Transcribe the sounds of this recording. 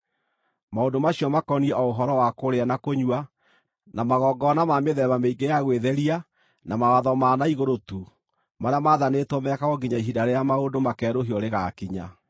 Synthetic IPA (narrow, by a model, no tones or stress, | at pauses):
maondomaɕjɔmakɔniɛɔoɦɔɾɔwakoɾeanakoɲwa | namaɣɔːɡɔnamameðɛβameiɡejaɣweðɛɾia | namawaðɔmaːnaiɣoɾotu | maɾeamaðanetomɛkaɣɔɡiɲaiɦidaɾejamaondomakɛːɾoɦiɔɾeɣakiɲa̰